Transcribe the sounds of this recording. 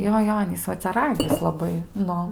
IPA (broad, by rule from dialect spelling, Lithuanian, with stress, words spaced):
ˈjoː ˈjoː ˈɑːnʲiːs ˈʋɐ t͡sʲɛ ˈrɑːɡʲɪs lˠɐˈbɐɪ ˈnʊ